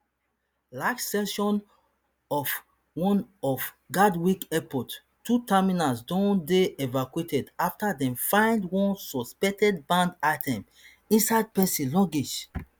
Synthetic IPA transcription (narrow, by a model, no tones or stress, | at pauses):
laksɛʃɔ̃n | ɔf | wɔ̃nɔf | ɡadwikɛpɔtː | utʰaminasdɔ̃ndeɛvakwetʰɛdaftadɛ̃mfãɪ̃ndwɔ̃nsɔspɛk̚tɛd̚bãndaɪtʰɛ̃m | ĩnsaɪd̚pɛsĩlɔ̃ŋɡed͡ʒ